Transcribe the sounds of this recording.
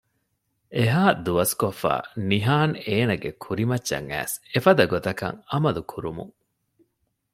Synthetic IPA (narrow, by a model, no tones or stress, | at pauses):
eɦaːd̪uɐskofːa̰ːniɦaːneːnɐɡekʰuɾimɐtːɐ̰ŋæ̰ːsefɐd̪ɐɡot̪ɐkɐ̰ŋɐmɐlukʰuɾumṵŋ